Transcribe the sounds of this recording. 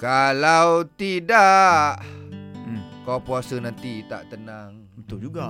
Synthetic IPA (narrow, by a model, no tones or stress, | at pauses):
kalawt̪idaʔ | kawpuasənant̪it̪a̰ʔt̪ənaŋ | bət̪ʊd͡ʒuɡa